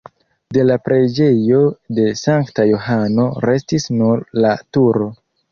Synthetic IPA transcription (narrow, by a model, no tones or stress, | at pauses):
de̞lapɾe̞d͡ʒe̞jo̞de̞saŋktajoɦano̞ɾe̞stisnuɾlatuɾo̞